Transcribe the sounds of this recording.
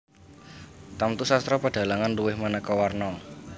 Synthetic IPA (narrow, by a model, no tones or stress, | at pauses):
t̪amt̪usast̪ɾɔpəɖ̥a̤laŋanduwɪhmənəkɔwarnɔ